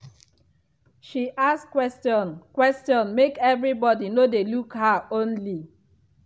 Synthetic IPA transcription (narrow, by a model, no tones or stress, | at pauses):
ʃiʔaskwɛstjɔ̃nkwɛstɔ̃nmekɛvɹibɔdinodelukhaõnli